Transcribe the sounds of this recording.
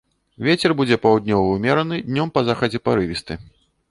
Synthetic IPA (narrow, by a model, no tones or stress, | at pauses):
vʲet͡sʲɛrbud͡zʲɛpɐwd̪ʲnʲɔvɐwmʲɛɾɐnɨd̪ʲnʲɔmpɐzaxɐd͡zʲɛpɐɾɨvʲist̪ɨ